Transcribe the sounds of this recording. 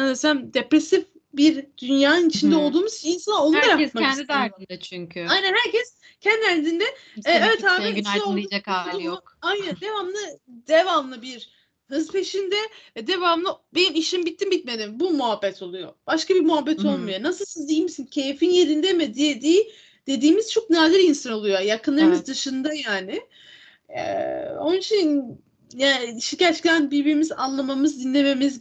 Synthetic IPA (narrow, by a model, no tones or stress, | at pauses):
anasænd̪epɾesif | biɾd̪̥ynjaːnɯnit͡ʃʰind̪ɛo̞lˠd̪uːmuz̥t͡ʃinsanaolːaɾakkmand̪id̪aɾd̪ɯnd̪at͡ʃʰyɲcʰyajnænhæɾcʰɛs | cʰɛnd̪iælʲd̪ind̪ɛː | evɛt̪ʰaːmiɛolˠid͡ʒakau | ajnænd̪e̞vamlˠɯd̪evamlˠɯbiɾ | hɯzpʰe̞ʃind̪ɛd̪e̞vamlˠɯbenimiʃimbit̪ʰːimbit̪me̞d̪imbumuɦabːɛt̪ʰo̞lˠujo̞̰b̥aʃkabiɾmuɦabːɛt̪ʰo̞lˠmujonasɯlˠsizd̪ijimisincʰe̞jifinje̞ɾind̪ɛmed̪ijed̪iː | d̪̥e̞d̪iːmiz̥t͡ʃʰo̞k̚naːd̪iɾinsano̞lˠujojakʰɯnlˠɯɾɯmɯzd̪ɯʃɯnd̪ajaːnɪ | ɛ̰o̞nɯt͡ʃʰin | jaʃicat͡ʃclʲænbiɾbiɾimiza̰nlˠamamɯzd̪inlʲe̞me̞miz